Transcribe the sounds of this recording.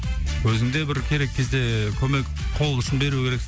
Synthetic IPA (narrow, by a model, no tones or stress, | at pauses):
wʰɵzɪnd̪ebɪɾkʲʰe̞ɾe̞kʲʰːe̞zd̪e̞kʲʰɵme̞kʲ | qʰo̞lˠʏʃənbe̞ɾukʰʲe̞ɾek̪